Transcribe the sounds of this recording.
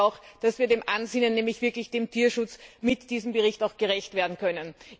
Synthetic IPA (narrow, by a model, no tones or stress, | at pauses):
aʊxd̥asviːɐdeːmʔanzɪnənːɛːmlɪçv̥ɪɐklɪçd̥eːmtʰiːɐʃʊt͡smɪtd̥iːzm̩bəʁɪçtaʊxɡ̥əʁɛçtv̥eːɐdn̩kʰœnən